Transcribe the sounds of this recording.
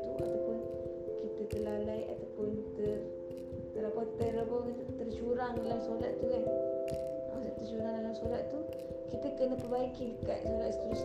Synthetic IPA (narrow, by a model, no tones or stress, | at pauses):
t̪uʔa̰t̪awpʊn | kit̪at̪əlalaja̰t̪apʊnt̪ər | t̪əɾapat̪əɾapawkit̪ət̪ərt͡ʃuɾaŋdalamsolat̪̚t̪ːukan | ast̪ət͡ʃuɾaŋdalamsolat̪t̪u | kit̪əkənəpəbaikilka̰ʔsolat̪st̪ɾus